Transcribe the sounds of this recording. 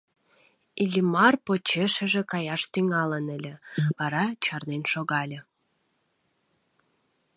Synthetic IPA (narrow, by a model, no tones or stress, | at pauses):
ilʲimɑrpot͡ɕeʃə̆ʒĕkɑjɑʃt̪yŋɑlənəlʲĕβɑɾɑt͡ɕɑrnenʃoɣɑlʲə̆